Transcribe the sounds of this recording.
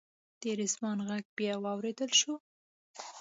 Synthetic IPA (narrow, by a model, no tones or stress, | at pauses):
d̪̥eɾɪzmɑnɣaɡ̚bjɑwɑwɾed̪əlʃu